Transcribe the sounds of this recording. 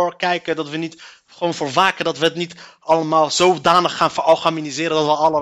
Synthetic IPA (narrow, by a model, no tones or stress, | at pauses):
ʊɹkɛjkəndɑtʋənit | χəʋownvoːɹʋaːkəndɑtʋəɦətnit | ɑləmaːlˠzowdaːnəχːaːnfəɹʔɑlˠχaminizɪːɾəndɑtʋəɑlə